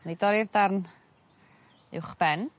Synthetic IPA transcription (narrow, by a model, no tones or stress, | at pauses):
nidɔɾirdarn | ɪ̰wχb̥ɛn